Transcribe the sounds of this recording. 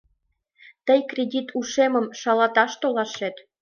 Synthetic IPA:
t̪əjkrʲedʲit̪ʰuʃemə̆mʃɑlɑt̪ɑʃt̪olɑʃet̪

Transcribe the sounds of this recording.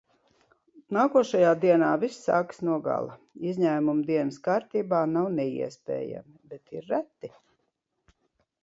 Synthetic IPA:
naːkuɔʃajaːd̪iɛnaːvisːa̰ːksnuɔɡa̰lˠa | izʲɲæːmumd̪iɛnskaːɾt̪iːbaːnawnɛḭɛspʲɛ̰ːja̰mibɛt̪iɾːæt̪ːi

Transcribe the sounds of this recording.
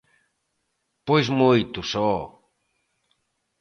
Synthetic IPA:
pojzmojt̪usɔ

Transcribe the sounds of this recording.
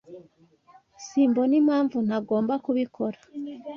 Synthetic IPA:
siːmbo̞nim̥haːɱvun̥aɡo̞ːmbakuβikʰo̞ɾḁ

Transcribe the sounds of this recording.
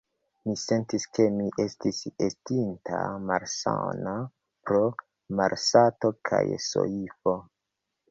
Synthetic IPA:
mise̞ntiske̞miʔe̞stisestintʰa̰maɾsa̰na | pɾo | maɾsato̞kʰa̰jso̰ifo̞

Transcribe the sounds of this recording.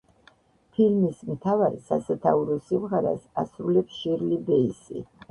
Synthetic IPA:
pʰilmismt̪ʰavaɾisasɛt̪ʰauɾɔsimʁaɾa̰sasɾulɛpsʃiɾlibɛisḭ

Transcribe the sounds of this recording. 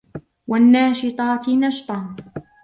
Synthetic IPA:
wanːaːʃɪt̪ˤɑːt̪nɑʃt̪ˤɑn

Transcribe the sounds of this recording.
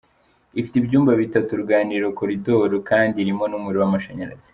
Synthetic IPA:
ifitibɟuːmbaβitatuɾuɡaːniːɾo̞ko̞ɾidoɾukaːndiɾimo̞numuɾiwamaʃaɲaɾa̰z̥i̥

